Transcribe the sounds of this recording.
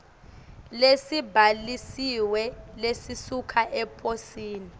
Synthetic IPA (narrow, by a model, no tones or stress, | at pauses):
lesibʱalisiwɛlesisukʰaʔɛpʰosiːni